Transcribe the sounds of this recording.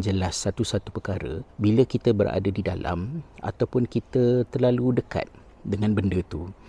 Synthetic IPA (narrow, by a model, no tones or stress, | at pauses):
d͡ʒəlasːat̪usat̪upərkaɾə̰biləkit̪əbəɾa̰dadida̰la̰ma̰t̪awpʊnkit̪ət̪ərlaludəka̰t̪̚ | dəŋãnbəndət̪u